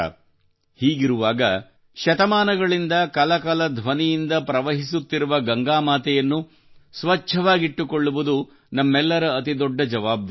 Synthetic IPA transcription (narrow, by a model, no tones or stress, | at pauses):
hiːɡiɾuʋaːɡɐ | ʃɐt̪ɐmaːnɐɡɐɭind̪ɐkɐlɐkɐlɐd̪ʱʋɐnijind̪ɐpɾɐʋɐɦisut̪ːiɾuʋɐɡɐŋɡaːmaːt̪ɛjɐnːu | sʋɐt͡ʃʃʰɐʋaːɡiʈːukoɭːuʋud̪u | nɐmːɛlːɐɾɐːt̪id̪ɔɖːɐd͡ʒɐʋaːb̚d̪